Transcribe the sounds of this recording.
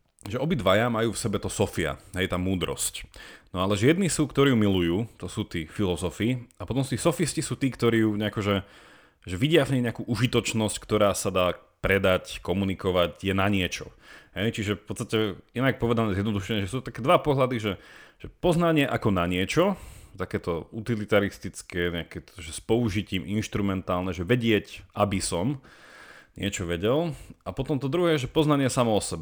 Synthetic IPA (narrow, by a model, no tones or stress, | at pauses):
ʒɛɔbid̪ʋajamajuːfsɛbɛt̪ɔsɔfia̰ɦɛjt̪aːmuːd̪ɾɔ̰scnɔalɛʒɛjɛd̪niːsuːkt̪ɔɾiːjumilujuːt̪ɔsuːt̪iːfilɔzɔfiapɔt̪ɔmsuːt̪iːsɔfiscisuːt̪iːkt̪ɔɾiːjuɲɛakɔʒɛ | ʒɛʋiɟɪafɲɛɲɛakuːʔuʒit̪ɔt͡ʃnɔsckt̪ɔɾaːsad̪aː | pɾɛd̪ackɔmunikɔʋacjɛnaɲɪɛt͡ʃɔ̰ɦɛjt͡ʃiʒɛfpɔt̪t͡st̪acɛinak̚pɔʋɛd̪anɛːzjɛd̪nɔd̪uʃɛɲɛʒɛsuːt̪ɔt̪akɛːd̪ʋapɔɦlad̪iʒɛʒ̥ɛpɔznaɲɪɛʔakɔnaɲɪɛt͡ʃɔt̪akɛːt̪ɔut̪ilit̪aɾist̪it͡skɛːɲɛakɛt̪ɔ̥ʒɛspɔuʒiciːminʃt̪ɾumɛnt̪aːlnɛʒɛʋɛɟɪɛcʔabisɔm | ɲɪɛt͡ʃɔʋɛɟɛlapɔt̪ɔmt̪ɔd̪ɾuɦɛːʒɛpɔznaɲɪɛsamɔɔsɛb